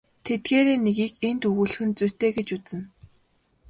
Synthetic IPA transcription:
t̪ʰet̪̚ɡeːɾeːnːeɣiːkent̪ɵɣuːɮ̆xɘ̆nt͡sujʰt̪eːɡet͡ɕut͡sɘ̆n

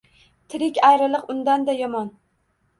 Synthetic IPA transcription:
t̪ʰɪɾɪkʲajɾɪlˠɨqʊnd̪and̪ajɒmɒn

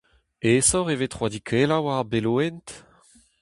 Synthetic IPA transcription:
esɔʁevet̪χwad̪ikʰelawaʁbeloɛnt̪

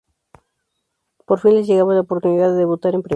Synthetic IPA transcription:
poɾfinlesʝeɣamozlaopoɾt̪uniðaðeðeβut̪aɾempɾe

